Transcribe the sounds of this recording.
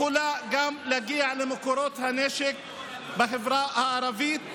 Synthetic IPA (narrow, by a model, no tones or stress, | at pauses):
ʊlaɡamlaɡiːʕlɪmʊkuɾˤoːt̪haneːʃɪk̚ | bɪxɪvɾɑːhaʔɑɾˤɑviːt̪